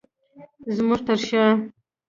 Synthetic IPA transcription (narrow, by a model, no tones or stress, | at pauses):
zmuʐt̪aɾʃa